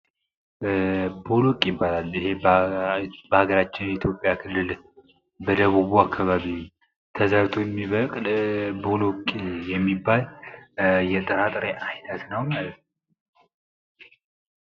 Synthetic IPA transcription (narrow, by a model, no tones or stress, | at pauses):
bo̞lokʼjɪbːalalːihe̞b | bəhaɡəɾat͡ʃːɪnjɛit̪ʰjo̞pʼːjakʰɨlːɨl | bəd̪əβuβuakʰːaβaβi | t̪ʰəzəɾt̪ʰojɛmːiβəkʼlbolokʼijɛmːibːal | jɛt̪ʼəɾat̪ʼɾeʔajnət̪nəwmalət̪n